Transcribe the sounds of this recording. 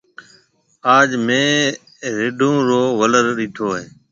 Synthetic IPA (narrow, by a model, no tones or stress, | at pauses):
aːd͡ʒmẽː | ɾɪɖʱũːɾoːʋələɾɗiːt̪ʰoːɦeː